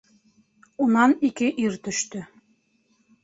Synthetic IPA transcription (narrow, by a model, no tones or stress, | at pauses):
unɑnikɘʔiɾt̪ɵ̆ʃt̪ɘ̆